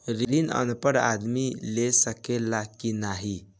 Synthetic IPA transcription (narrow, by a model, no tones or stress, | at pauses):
ɾiɾinə̰npəɽa̰d̪milesəkelːakinaɦi